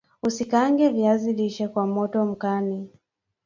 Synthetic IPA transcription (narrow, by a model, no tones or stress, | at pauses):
usikaŋɡɛviaziliʃɛkwamɔtɔm̩kani